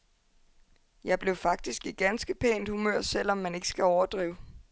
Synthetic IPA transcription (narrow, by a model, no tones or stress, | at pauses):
jɑ̈ɪb̥le̝ʊfɑ̈ɡ̥̚d̥isɡ̥iɡ̥ænsɡ̥əpʰḛːnd̥humøɐ̰sel̰ɒ̽mːæne̝ɡ̥ə̥sɡ̥æɒʊɐd̥ʁḭːʊ